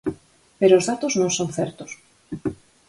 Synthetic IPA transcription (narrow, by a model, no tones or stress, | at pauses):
peɾoːzðat̪oznõŋsõnθɛɾt̪ʊs